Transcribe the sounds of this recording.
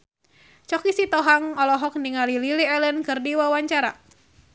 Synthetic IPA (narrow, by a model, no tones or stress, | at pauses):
t͡ʃɔkisit̪ɔɦaŋɔlɔɦɔk̚niŋalililiɛlənkɨrdiwawaɲt͡ʃaɾa̰